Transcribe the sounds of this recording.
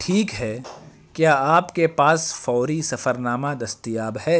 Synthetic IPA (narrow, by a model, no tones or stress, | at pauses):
ʈʰiːkɦɛ | kjaːaːpkepaːsfɔːɾisɐfəɾnaːmad̪ɐst̪ijaːbɦɛː